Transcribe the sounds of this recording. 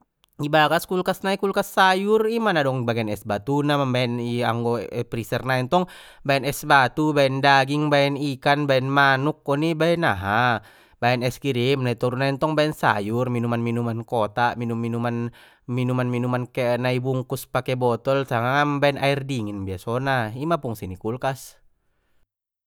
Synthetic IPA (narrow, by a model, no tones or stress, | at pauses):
ibakaskulkasnaikulkasːajurimanadɔŋbaɡɛnɛsbat̪unamabaɛnia̰ŋɡɔpɾisɛrnaɛnt̪ɔŋ | baɛnɛsbat̪ubaɛndaɡiŋbaɛnikanbaɛnmanuk̚ːɔnibaɛnaɦa | baɛnɛskiɾimnait̪ɔɾunaɛnt̪ɔŋbaɛnsa̰jurminumanminumankɔt̪aminumːinuman | minumanminumankɛnaibuŋkuspakɛbɔt̪ɔlsaŋaŋambaɛnʔairdiŋinbiasɔnaimapuŋsinikulkas